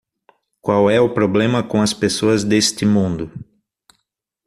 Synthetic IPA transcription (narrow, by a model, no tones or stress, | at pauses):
kwawɛʊpɾoblẽmɐkõɐspesoɐzd̪est̪ɪmũnd̪ʊ